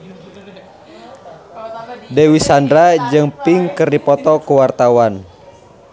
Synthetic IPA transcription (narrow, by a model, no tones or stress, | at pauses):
dɛwisandɾad͡ʒɨŋpiŋkərdipɔt̪ɔkuwart̪awan